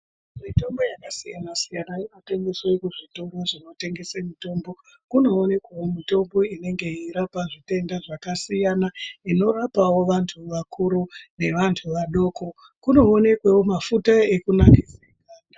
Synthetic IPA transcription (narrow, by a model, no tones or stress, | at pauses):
mito̞mbo̞jakasijanasijanainote̞ŋɡe̞swaekuʐitoɡoʐino̞te̞ŋɡe̞semito̞mbo̞ | kuno̞ːne̞kwawomito̞mbo̞ine̞ŋɡe̞iɾapaʐite̞ndaʐakasijanaino̞rapawo̞ʋantʰuʋakʰuɾune̞ʋantʰuʋaɗo̞ːko̞ | kuno̞ːne̞kwewomafutae̞kunakid͡zekaːa